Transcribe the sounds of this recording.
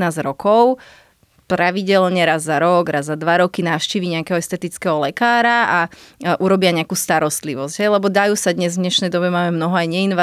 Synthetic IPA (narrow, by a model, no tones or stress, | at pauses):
naːzɾɔkʰɔʊ | pɾaʋiɟɛlɲɛɾazːaɾɔɡɾazːad̪ʋaɾɔkinaːfʃciːʋiɲɛakɛɦɔɛst̪ɛt̪it͡skɛɦɔlɛkaːɾaaʔuɾɔbɪaɲɛakuːst̪aɾɔst̪liʋɔzɟ̥ɦɛjlɛbɔd̪ajuːsad̪ɲɛzvɲɛʃnɛjd̪ɔbɛmaːmɛmnɔɦɔajɲɛinʋa